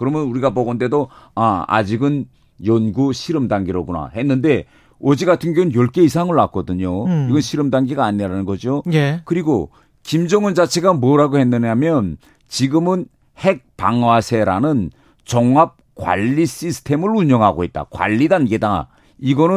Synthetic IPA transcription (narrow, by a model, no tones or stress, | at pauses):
kɯɾʌmjʌnuɾiɡabʌɡʌnde̞doaa̰d͡ʑiɡɯn | jʌnɡuɕʰiɾɯmdaŋɡiɾoɡuna̰he̞nːɯnde̞ | ʌd͡ʑiɡatʰɯnɡoɯnjʌɭk͈eisʰaŋɯɭak͈ʌdɯɲoiɡʌnɕʰiɾɯmdaŋɡiɡaːɲeɾanɯnɡʌd͡ʑiojekɯɾiɡo | kimd͡ʑʌŋɯnd͡ʑat͡ɕʰe̞ɡamwʌɾaɡohe̞nːɯɲamjʌn | t͡ɕiɡɯmɯn | he̞k̚paŋwasʰe̞ɾa̰nɯn | t͡ɕʌŋap̚kwa̰ʎːiɕ͈isʰɯ̥tʰe̞mɯɾuɲʌŋɦaɡo̰et̚t͈a̰kwa̰ʎːidanɡeda̰ | iɡʌnɯ